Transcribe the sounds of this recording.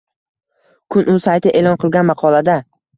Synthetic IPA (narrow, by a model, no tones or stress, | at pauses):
kʰʊnʊsajt̪ʰɪʔe̞ːlɒnqʰɨlˠɡʲanmɑqʰɒlad̪a